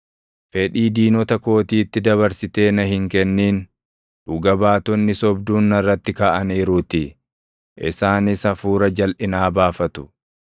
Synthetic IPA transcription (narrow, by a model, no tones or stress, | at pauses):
fɛᶑiːd̪iːnɔt̪ɐko̞ːt̪iːt̪ːɪd̪ɐβɐɾsɪt̪e̞ːnɐhɪŋkɛnːiːn | d̪ʊɡɐbaːt̪ɔnːɪsɔbd̪uːnːɐrːɐt̪ːɪkaːʔɐniːɾuːt̪ɪ | ʔɪ̰saːnɪsɐfuːɾɐd͡ʒɐlʔɪnaːbaːfɐt̪ʊ̥